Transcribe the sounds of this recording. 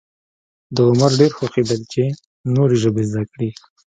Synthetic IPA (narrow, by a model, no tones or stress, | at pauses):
d̪əʊmaɾɖeɾxoxid̪əlt͡ʃe | noɾiʒəbezd̪akɽi